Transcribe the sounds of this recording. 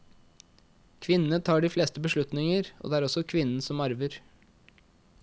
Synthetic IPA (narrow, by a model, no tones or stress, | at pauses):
kʰʋɪnət̪ʰɑːɖiːfleːst̪əbəʃlʉt̪nɪŋəɾo̰d̪eːæɾɔsɔkʰʋɪnn̩sɔmɑɾʋəɾ